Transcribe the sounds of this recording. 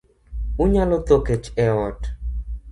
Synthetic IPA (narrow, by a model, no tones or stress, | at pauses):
uɲalot̪oket͡ʃɛwɔt